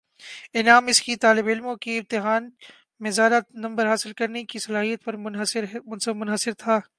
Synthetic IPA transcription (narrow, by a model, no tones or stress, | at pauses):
ɪnaːmɪskit̪aːlɪbɪlmõkiɪmt̪ɪɦaːn | mẽzjaːd̪anɐ̃mbəɾɦaːsɪlkɐɾnekisɐlaːɦijət̪̚pɐɾ | ʊnsmʊnɦəsɪɾt̪ʰaː